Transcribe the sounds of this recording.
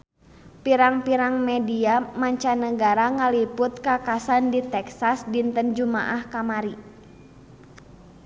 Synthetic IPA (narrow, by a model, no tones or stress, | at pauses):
piɾaŋpiɾaŋmɛdiamaɲt͡ʃanəɡaɾaŋalipʊt̪̚kakasandit̪ɛksasdint̪ənd͡ʒuma̰ʔahkamaɾi